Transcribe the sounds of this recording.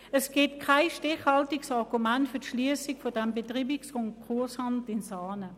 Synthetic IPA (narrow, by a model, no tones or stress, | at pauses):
əsɡ̥ɪtkʰaɪʃtɪχhɑltɪksɑʁɡumɛntfʏɐtʃliəsɪkfodɛmbetʁiːbɪksʊŋkʰʁuɐshɑntɪnsaːnə